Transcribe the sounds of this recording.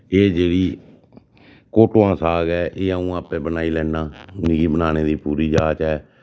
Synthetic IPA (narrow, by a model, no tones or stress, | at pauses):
eːd͡ʒeːɽiː | koːʈoːãːsaːɡɛːʔeːəũːaːpɛːbənaːiːlɛːnãːniɡiːbənaːneːd̪iːpuːɾiːd͡ʒaːt͡ʃɛː